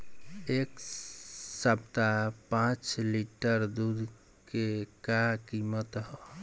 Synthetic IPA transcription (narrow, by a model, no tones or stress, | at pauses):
ek | səb̚t̪apãt͡ʃliʈəɾd̪ud̪ʱ | kekakimət̪ɦɔ